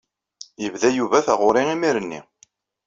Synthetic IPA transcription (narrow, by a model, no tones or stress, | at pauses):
jəvðæjuvæθæʁʊɾiimiɾənːḭ